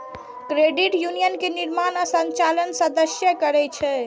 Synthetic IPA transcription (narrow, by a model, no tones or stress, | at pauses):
kɾeɖiʈjunijənkeniɾmanasə̃ɲt͡ʃalənsəd̪əsjəkəɾɛt͡ʃʰɛ